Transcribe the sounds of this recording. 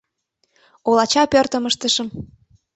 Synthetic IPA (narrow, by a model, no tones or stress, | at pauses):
olɑt͡ɕɑpørt̪əməʃt̪əʃə̆m